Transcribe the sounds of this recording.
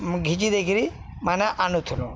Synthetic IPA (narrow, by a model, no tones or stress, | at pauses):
ɡʱid͡ʒid̪ekʰiɾimanaʔanut̪ʰulu